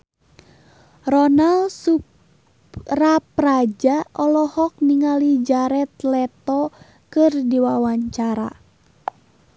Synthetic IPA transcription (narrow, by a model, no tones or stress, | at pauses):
rɔnalsu | raprad͡ʒaɔlɔhɔk̚niŋalid͡ʒaɾɛt̪lɛt̪ɔ | kɨrdiwawaɲt͡ʃaɾa̰